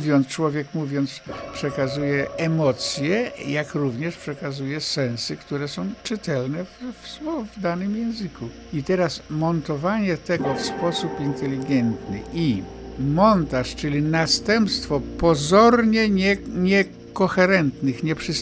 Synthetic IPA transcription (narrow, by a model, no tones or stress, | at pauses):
vʲjɔnt̪st͡ʂwɔvʲjɛkmuvʲjɔnt̪spʂɛkazujɛɛmɔt̪sʲjɛjakɾuvɲɛʂpʂɛkazujɛsɛ̃ñsɘkt̪uɾɛsɔ̃w̃t͡ʂɘt̪ɛlnɛvfswɔvd̪anɘmjɛ̃w̃zɘku | it̪ɛɾasmɔnt̪ɔvaɲɛt̪ɛɡɔfspɔsupint̪ɛlʲiɡɛnt̪nɘ̰ʔi | mɔnt̪aʂt͡ʂɘlʲinast̪ɛmpst̪fɔpɔzɔɾɲɛɲɛɲɛ | kɔxɛɾɛnt̪nɘxɲɛpʂɨs